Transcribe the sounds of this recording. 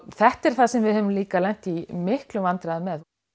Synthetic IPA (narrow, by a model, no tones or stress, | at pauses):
θɛht̪ɛɾ̥θasɛmvɪðhœmliːkalɛjn̥t̪imɪhklʏmvant̪ɾaðʏmɛð